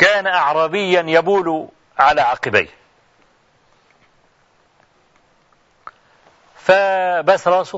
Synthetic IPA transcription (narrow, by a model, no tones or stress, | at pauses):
kaːnaʔɑʕɾˤɑːbɪjːanjabuːlu | ʕalaʕɑqɨba̰j | fabasɾˤɑs